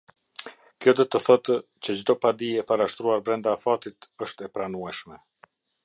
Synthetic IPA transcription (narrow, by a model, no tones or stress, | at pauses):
kjɔd̪ɔt̪əθɔt̪ | t͡ɕəd͡ʑd̪ɔpad̪iɛpaɾaʃt̪ɾuaɾbɾɛnd̪afat̪it̪əʃt̪ɛpɾanuɛʃmɛ